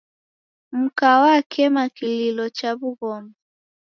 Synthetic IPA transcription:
m̩kawakʰɛmakililɔt͡ʃaβuɣɔmɔ

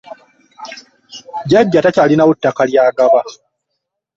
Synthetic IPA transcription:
ɟaɟːatacalinawutːakaljaːɡaβa

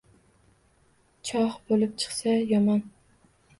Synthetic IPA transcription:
t͡ʃʰɒhbolɪp̚t͡ʃʰɨ̥χsajɒmɒn

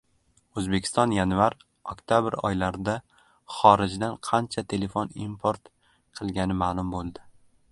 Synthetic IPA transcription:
ɵzbe̞kʲʰɪ̥st̪ɒnjanvaɾ | okʲt̪ʰjabɪɾɒ̰jlaɾd̪a | χɒɾɪd͡ʒd̪anqʰɑnt͡ʃʰat̪ʰe̞le̞fonimpʰoɾt̪ | qʰɨlˠɡʲanɪmaːlˠʊmbolˠd̪ɪ

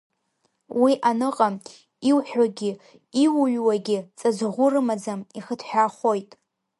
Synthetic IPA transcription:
wiʔanɨqʼam | iwħᶣaɡʲɪ | iwuɥʷwaɡʲɪt͡sʼazʁʷʊrɨmad͡zamiχətʰħʷᶣaχʷo̞jtʼ

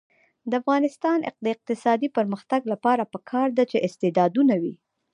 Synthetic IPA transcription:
d̪əafɣɑnɪst̪ɑnʔɪ̰q̚d̪əɪq̚t̪ɪsɑd̪ipəɾməxt̪aɡlapɑɾapəkʰɑɾd̪at͡ʃeʔɪst̪ed̪ɑd̪unawi

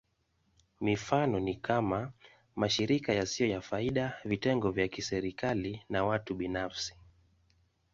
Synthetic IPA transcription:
mifanɔnikama | maʃiɾikajasiɔjafaiɗavitɛŋɡɔvjakisɛɾikalinawatuɓinafsi̥

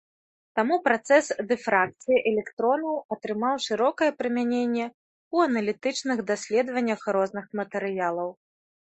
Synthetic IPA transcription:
t̪amupɾat̪sɛsd̪ɨfɾak̚t̪sɨjiʔɛlʲɛkt̪ɾɔnɐwɐt̪ɾɨmawʂɨɾɔkɐjɛpɾɨmʲanʲenʲːɛ | uɐnɐlʲit̪ɨt͡ʂnɨɣd̪asʲlʲɛd̪vɐnʲːɐxɾɔznɨxmɐt̪ɛɾɨjalˠɐw

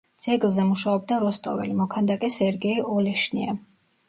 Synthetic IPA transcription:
d̪z̥ɛɡlˠzɛmuʃaɔb̚d̪aɾɔst̪ʼɔ̰vɛ̰limɔkʰand̪akʼɛsɛɾɡɛiɔlɛʃnia̰

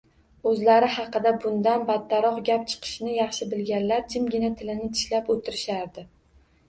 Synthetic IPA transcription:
ɵzlaɾɪɦɑqɨd̪abʊnd̪anbat̪ʰːaɾɒqɡʲap̚t͡ʃʰɨ̥qʰɨ̥ʃnɪjɑχʃɪbɪlɡʲanlaɾd͡ʒʰɪmɡʲɪnat̪ʰɪlɪnɪt̪ʰɪ̥ʃlapot̪ʰɪɾɪʃaɾd̪ɪ

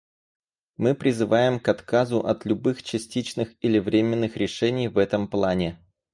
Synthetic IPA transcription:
mɨpɾʲɪzɨvajɪmkɐt̪kazʊʔɐt̪lʲʊbɨxt͡ɕɪsʲtʲit͡ɕnɨxɪlʲɪvɾʲemʲɪnːɨxɾʲɪʂɛnʲɪjvɛt̪əmplˠanʲɪ

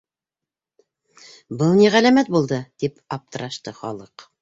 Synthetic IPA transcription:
bɤlˠniʁælæmæt̪̚bulˠd̪ɤt̪ipɑp̚t̪ɤ̆ɾɑʃt̪ɤχɒ̰lˠɤq

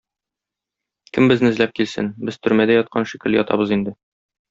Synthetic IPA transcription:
kɘmbɘ̆znɘzlæp̚kilsɘ̰nbɘz̥t̪ɵ̆ɾmæd̪æjɒt̪̚qʰɑnʃikɘ̆ljɒt̪ɑ̰bɤzind̪ɘ

